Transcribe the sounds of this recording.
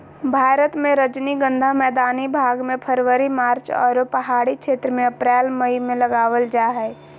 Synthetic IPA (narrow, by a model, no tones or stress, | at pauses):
bʱaːɾət̪mẽɾəd͡ʒniɡə̃nd̪ʱamɛːd̪aːnibʱaːɡmẽpʰəɾʋəɾimaːɾt͡ʃɔ̰ːɾopəɦaːɽikʃʰeːt̪ɾəmẽəpɾɛːlməimẽləɡaːʋəld͡ʒaɦɛː